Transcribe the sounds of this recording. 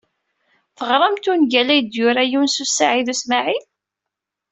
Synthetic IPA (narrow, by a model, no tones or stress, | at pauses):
θəʁɾˤɑmt̪unʝælæjd̪jʊɾæjunsusːaʕiðusmaʕi